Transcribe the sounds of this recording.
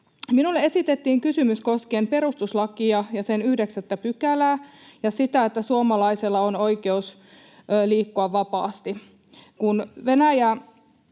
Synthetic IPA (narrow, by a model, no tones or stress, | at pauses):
minulːee̞sit̪et̪ːiːŋkysymysko̞skeːmpe̞ɾust̪uslɑkiɑjɑsenyhdeksæt̪ːæpykælæːjɑsit̪æet̪ːæsuomɑlɑiselːɑonoikeus | liːkːoɑʋʋɑpɑ̰ːst̪i | kunʋenæjæ